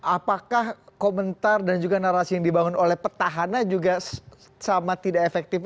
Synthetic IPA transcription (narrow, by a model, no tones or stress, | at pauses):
ʔapakahkomənt̪ardand͡ʒuɡanaɾasijaŋdibaŋʊnolɛhpərt̪aɦanad͡ʒuɡas | samat̪idaefɛk̚t̪ɪf